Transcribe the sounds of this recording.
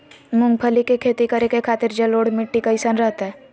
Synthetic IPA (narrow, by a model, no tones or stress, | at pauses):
mʊ̃ŋɡ̚pʰəlikekʰeːt̪ikəɾekekʰaːt̪ɪɾd͡ʒɐloːɽmɪʈːikaɪsaːnɾəɦt̪aɦɛː